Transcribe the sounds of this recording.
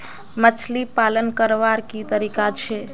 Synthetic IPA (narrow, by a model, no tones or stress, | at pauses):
mət͡ʃʰlipalənkəɾʋaɾkit̪əɾikat͡ʃʰe